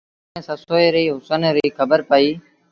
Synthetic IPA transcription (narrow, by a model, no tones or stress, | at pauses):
ẽːsəsoːeːɾəiːɦʊsənɾiːkʰəbəɾpaiː